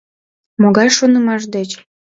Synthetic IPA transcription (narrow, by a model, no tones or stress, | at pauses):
moɣɑjʃonəmɑʃ̬d̪et͡ɕ